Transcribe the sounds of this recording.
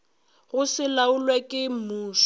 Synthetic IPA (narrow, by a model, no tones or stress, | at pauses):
ɣʊsɪlaʊlwakʼɪm̩muːʃ